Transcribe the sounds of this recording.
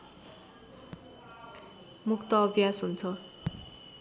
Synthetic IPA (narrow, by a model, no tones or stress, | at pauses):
mukt̪ʌːbʱjasɦunt͡sʰʌ